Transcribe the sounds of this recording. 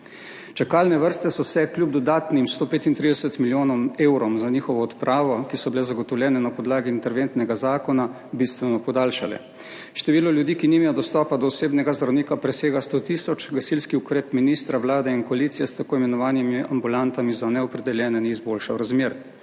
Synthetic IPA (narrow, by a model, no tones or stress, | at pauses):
t͡ʃakalnɛʋəɾst̪ɛsɔsɛkljub̚d̪ɔd̪aːt̪nimst̪oːpeːt̪int̪ɾid̪ɛsɛt̪miljoːnɔmeːwɾɔmzaniːxɔʋɔːt̪pɾʔaːʋɔkisɔbilɛzaɡɔt̪ɔwljɛːnɛnapɔd̪laːɡiːnt̪ɛɾʋeːnt̪nɛɡazaːkɔna | bist̪ʋɛnɔpɔd̪aːlʃalɛ̰ | ʃt̪ɛʋiːlɔljud̪iːkinimɛjɔd̪ɔst̪ɔːpad̪ɔːseːbnɛɡazd̪ɾawniːkapɾɛseːɡast̪oːt̪isɔt͡ʃɡasilskiukɾeːt̪miniːst̪ɾaʋlaːd̪ɛinkɔaliːt̪sijɛst̪akoːimɛnɔʋaːnimiambulant̪amizanɛɔpɾɛd̪ɛljɛːnɛniizboːlʃawɾazmeːɾ